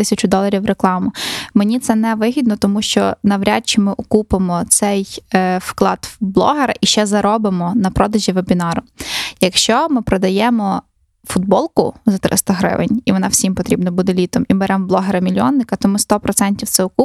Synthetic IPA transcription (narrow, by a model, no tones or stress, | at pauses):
t̪ɪsʲɐt͡ʃʊd̪ɔlˠɐɾʲiwreklˠɑmʊmenʲit̪sɛnɛʋɪɦʲid̪nɔt̪ɔmuʃt͡ʃɔnɐʋɾʲat̚t͡ʃɪmɪʔʊkupemɔt̪sɛjfklˠɑd̪̥blˠɔ̰ɦeɾɐ̰ʔiʃt͡ʃɛzɐɾɔbɪmɔnɐpɾɔd̪ɐʒʲiʋebʲinɑɾʊjɐkʃt͡ʃɔmɪpɾɔd̪ɐjɛmɔ | fʊd̪̚bɔlˠkʊzɐt̪ɾɪ̰st̪ɐɦɾɪ̰ʋɪ̰nʲiʋɔnɑwsʲimpɔt̪ɾʲibnɐbud̪elʲit̪ɔmimɪɾɛmblˠɔɦeɾɐmʲilʲiɔnːɪkɐt̪ɔmɪst̪ɔpɾɔt̪sɛnʲtʲiwt̪sɛʊku